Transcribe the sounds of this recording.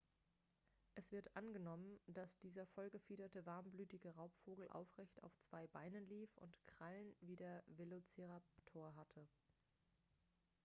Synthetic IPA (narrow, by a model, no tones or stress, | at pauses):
ʔɛsv̥ɪɐtʔanɡənɔmənd̥asd̥iːzɐfɔlɡəfiːɾɐtəvaɐmblyːtɪɡəʁaʊpfoːɡl̩ʔa̰ʊfʁ̥ɛçta̰ʊft͡sv̥aɪbaɪnənliːfʊ̰ntkʁ̥alənviːdeːɐvelot͡seʁaptʰoːɐɦatʰə